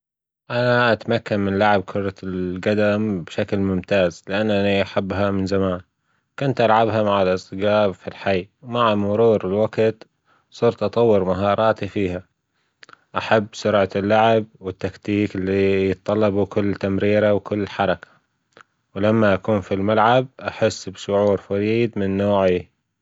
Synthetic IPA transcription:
ʔanaʔat̪amakːanmɪnlːaʕɪb̚kʰʊɾˤɑɡad̪ambɪʃaklmʊmt̪aːzlɪʔanːaniʔaħabːɦamɪnzamaːn | kʊnt̪ʔalʕabɦamaʕalʔɪsˤt̪ɨɡaːbfilħajwmaʕamʊɾuːɾɪlwaɡt̪ | sˤʊɾt̪ʔɑt̪ˤɑwːɪɾmaɦɑːɾˤɑːt̪ifiːɦa | ʔaħabːsʊɾʕalːaʕɪb̚wɪt̪ːakt̪iːkɪlːijɨt̪ˤːɑlːɑbukʊlːt̪ːamɾiːɾawkɪlːħɑɾˤɑkḁ | wlamːaʔakuːnfilmalʕab̚ʔaħɪsːbʃʊʕuːɾfaɾiːd̪mɪnːoːʕi

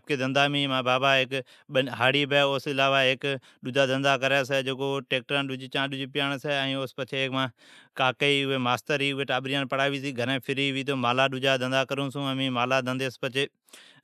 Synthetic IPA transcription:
p̚keːd̪ə̃nd̪aːmĩːmãːbaːbaːɦɪk | ɓəɦaːɽiːbɛːoːsɪlaːʋaɦɪk | ɗʊd͡ʒaːd̪ə̃nd̪aːkəɾaːs̬ɛːd͡ʒeːkoːʈeːk̚ʈɾanɗʊd͡ʒit͡ʃãːɗʊd͡ʒipɪjaːɳ̃sɛɛ̃ːoːspət͡ʃʰeːkmãː | kaːkeiʊɦeːmaːst̪əɾiːʊɦeːʈaːbɾijãːnpəɽaːʋiːs̬iːɡʱəɾẽːpʰɪɾiːʋiːt̪̬ʰoːmaːlaːɗʊd͡ʒaːd̪ə̃nd̪aːkəɾũːsũəmĩːmaːlaːd̪ə̃nd̪eːspət͡ʃʰeː

